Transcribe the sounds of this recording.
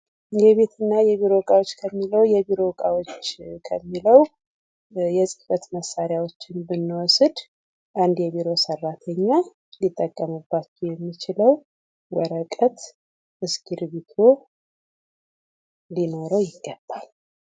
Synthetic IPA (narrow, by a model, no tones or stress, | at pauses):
jɛβe̞t̪ʰɨnːajɛβiɾo̞kʼawot͡ʃːkʰəmːiləwjɛbiɾo̞kʼawot͡ʃːkʰəmːiləw | jɛsʼɨfət̪məsːaɾjawot͡ʃːɪnbɨnːwɔsɨd̪ | ʔand̪jɛβiɾo̞sərːat̪ʰəɲːa | lit̪ʼːəkʼːəmubːat͡ʃːɛjɛmːit͡ʃɪləw | wəɾəkʼət̪ | ʔɨsɡiɾβit̪ʰo̞ | lino̞ɾəwjɪɡːəbːal